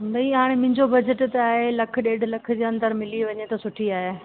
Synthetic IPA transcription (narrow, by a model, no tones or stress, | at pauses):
nd̪ɐiɦaːɽ̃emɪ̃ɦɲd͡ʑobɐd͡ʑəʈt̪aːɦelɐk̆ʰɗeːɖlɐkʰʊ̆d͡ʑeːɐ̃nd̪əɾmɪliʋɐɲet̪ɐsʊʈʰiaːɦe